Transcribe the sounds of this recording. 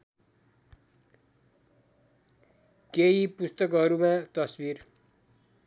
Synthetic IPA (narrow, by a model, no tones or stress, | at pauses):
keipust̪ʌkɦʌɾumãt̪ʌswiːɾ